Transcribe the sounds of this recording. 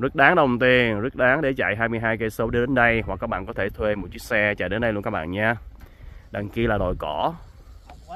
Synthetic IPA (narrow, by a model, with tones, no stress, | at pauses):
zə˦˥t̚ɗaː˨˦ŋɗə˨˩wŋ͡mt̪i˨˩ənzə˦˥t̚ɗaː˨˦ŋɗe˧˩t͡ɕa̰˧˨jɦaː˧jmɨ˧əjɦaː˧jke˧so˨˦wɗɨ˧ɗe˨˦nɗə˧jɦwa˨˩kːaː˦˥k̚ɓa̰ː˧˨nkɔ˨˦t̪ʰe˧˩t̪ʰwe˧mo˨˩t̚t͡ɕi˦˥k̚sɛ˧t͡ɕa̰˧˨jɗe˨˦nɗə˧jlu˧ŋkaː˦˥ɓa̰ː˧˨ɲaː˧ | ɗa˨˩ŋki˧əlaː˨˩ɗo̰˨˩jkɔ˧˩